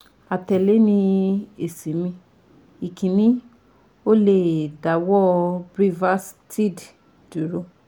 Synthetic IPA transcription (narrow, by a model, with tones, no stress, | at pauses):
a˨tɛ˨le˨˦nĩ˧e˨si˨˦mĩ˧ | i˨kʰĩ˨nĩ˨˦ | o˦le˨da˨˦wɔ˦bɾi˦va˦stʰi˦˨d | du˨˦ɾo˧